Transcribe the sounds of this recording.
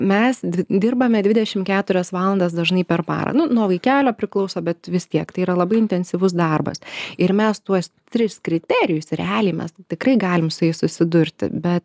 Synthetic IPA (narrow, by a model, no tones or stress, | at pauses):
mʲɛsʲd̪ʲɪrbɐmʲɛd̪ʲʋʲɪd̪ʲɛʃʲɪmkʲæːt̪ʊɾʲɛsʋɑːlˠɐnd̪ɐs̬d̪ɐʒnɐɪpʲɛrpɑ̰ːɾɐ̰nʊnuɔʋɐɪkʲæːlʲoːpʲɾʲɪklˠɐʊsoːbʲɛt̪ʋʲɪst̪ʲiɛkt̪ɐɪiːɾɐlˠɐbɐɪɪnʲt̪ʲɛnʲsʲiʋʊs̬d̪ɐrbɐ̰sɪɾmʲɛst̪uɔst̪ʲɾʲɪskɾʲɪt̪ʲæːɾʲɪjʊsɾʲɛ̰ɑːlʲɪmʲɛ̰st̪ʲɪkrɐɪɡɑːlʲɪmsʊjɪsʊsʲɪd̪ʊɾʲt̪ʲɪ̰bʲɛt̪